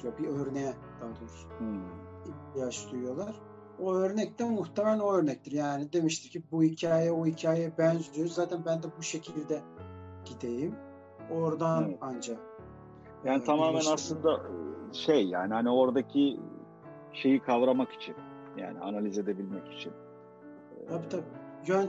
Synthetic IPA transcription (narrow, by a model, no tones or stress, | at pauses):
jabiøɾnɛjɛ | d̪̥ad̪uɾɾs̩ | içt̪ʰijat͡ʃd̪ujujolˠaɾ̥ | oøɾnɛc̚t̪ʰænmuxt̪ʰemɛlɛlo̞øɾnɛc̚t̪ʰiɾjaːnid̪e̞miʃt̪ʰimcʰibuhicʰaːjɛohicʰaːjejɛbænd͡ʒd̪yjoɾzaːt̪ʰænbænd̪ɛbuʃe̞cʰilʲd̪ɛ | ɟ̥id̪ejim | o̞ɾd̪anand͡ʒa | jaːnit̪ʰamaːmɛnaslˠɯnd̪aʃejːa̰ːnihanio̞ɾd̪acʰi | ʃe̞jikʰavɾamaki̥t͡ʃʰḭn | ja̰ːnianalʲize̞d̪e̞bilʲmɛci̥t͡ʃʰin | t̪ʰabit̪ʰabijøn